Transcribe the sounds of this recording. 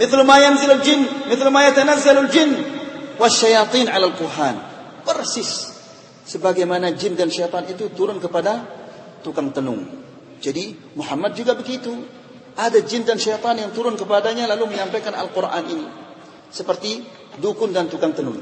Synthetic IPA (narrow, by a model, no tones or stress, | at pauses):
mɪθlumajanzɪlald͡ʒɪnmɪθlumajat̪anazːalald͡ʒɪnwaʃːajɑt̪ˤinʕalalkuɦan | pərsɪsː | əbaɡajmanad͡ʒɪndanʃajt̪ɑnit̪ut̪uɾʊnkəpada | t̪ukaŋt̪ənʊ̰ŋ | d͡ʒadi | muħamːat̪̚d͡ʒuɡabəɡit̪u | ʔadad͡ʒɪndanʃajt̪ˤɑnjaŋt̪uɾʊnkəpadaɲalaluməɲampajkana̰lkurʔa̰nʔini | səpərt̪i | dukʊndant̪ukaŋt̪ənʊ̰ŋ